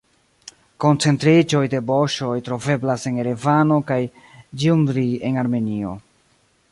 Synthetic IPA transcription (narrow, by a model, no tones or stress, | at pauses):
ko̞nt͡se̞ntɾid͡ʒo̞jde̞bo̞ʃo̞jtɾo̞ve̞blase̞neɾevano̞kaj | d͡ʒiundɾie̞naɾme̞nio̞̰